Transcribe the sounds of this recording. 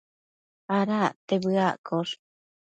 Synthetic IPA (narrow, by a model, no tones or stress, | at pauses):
aɾat̪eβɨaʔkoʂ